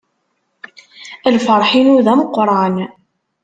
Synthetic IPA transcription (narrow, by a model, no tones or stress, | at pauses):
əlfəɾˤħinuðæməqːɾˤan